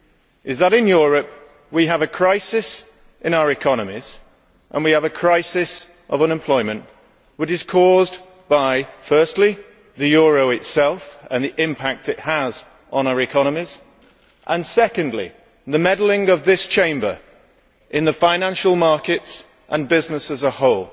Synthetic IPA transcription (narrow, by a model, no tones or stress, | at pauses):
ʔɨzðəɾɪ̃njɔɹɨp̚ | wiəvɨkʰɹ̥aɪsɪs | ʔɨ̃ñaʊəɹɨkʰɑnəmiz̥ | ʔə̰̃nwiəvɨkʰɹ̥aɪsɪs | ʔʌvə̃nɨ̃mpʰl̥ɔɪmə̃nʔ | wɨt͡ʃɨz̥kʰɔz | b̥aɪfɜˑ˞stˡli | ðɨjɔɹoʊɨtsɛlˠfə̰̃nðiʔɪ̃mpʰak̚tɨt̚həz | n̩aʊə˞ɨkʰɑñəmiz̥ | ʔə̃nsɛkɨ̃ndˡlḭ | ðəmɛdl̩ˠɪ̃ŋʌvðɪst͡ʃʰẽɪ̃mbə̰˞ | ʔɨ̃nðəfãɪ̃næ̃nʃəl̩ˠmɑɹkɪts | ʔə̃nbɪznɨsəzəhoʊlˠ